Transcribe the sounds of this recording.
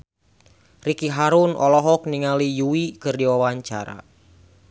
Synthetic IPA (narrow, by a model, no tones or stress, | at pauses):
rikiɦaɾunʔɔlɔɦɔk̚niŋalijuwikɨrdiwawaɲt͡ʃa̰ɾa̰